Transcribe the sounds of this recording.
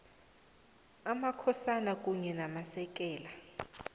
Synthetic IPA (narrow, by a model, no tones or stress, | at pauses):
amakʰɔsanak̬ʼuɲɛnamasɛk̬ʼɛːla